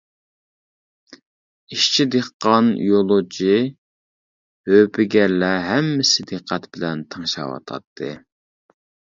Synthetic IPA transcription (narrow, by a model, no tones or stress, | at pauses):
iʃt͡ʃʰid̪eqːɑnḭjolˠod͡ʒi | høpʰɪɡʲɛɾlɛɦɛmːɪsɪd̪eqʰːæt̪b̥ɪlɛnt̪ʰəŋʃɑ̰wɑ̰t̪ʰɑ̰t̪ʰːɨ